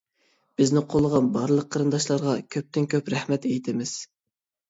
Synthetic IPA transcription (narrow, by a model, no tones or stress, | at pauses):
b̥ɪznɪqʰolˠəʁɑnbɑɾlˠəq̚ʰːəɾɨnd̪ɑʃlˠɑɾʁɑkʲʰøp̚t̪ɪnkʲʰøpɾɛhmɛt̪ɛjt̪ʰɪmɪz̥